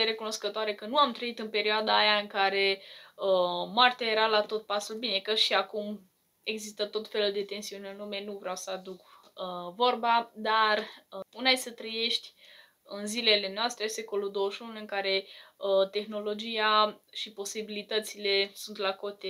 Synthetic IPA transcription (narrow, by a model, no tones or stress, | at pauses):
eɾe̞kuno̞skət̪oaɾe̞kənuamt̪ɾəit̪ɨnpe̞ɾioad̪aːjaɨŋkaɾe̞əmoart̪ʲajeɾalat̪o̞t̪̚pasulbine̞kəʃiakum | e̞ɡzist̪ət̪ot̪fe̞luld̪e̞t̪e̞nsiunʲɨnlume̞nuvɾeawsəad̪uk | əvo̞rbad̪arunajsət̪ɾəje̞ʃt̪ʲ | ɨnzile̞le̞noast̪ɾese̞ko̞lud̪o̞wəʃunuɨŋkaɾe̞ət̪e̞xno̞lo̞d͡ʒijaʃipo̞sibilit̪ət̪sile̞sunt̪lako̞t̪e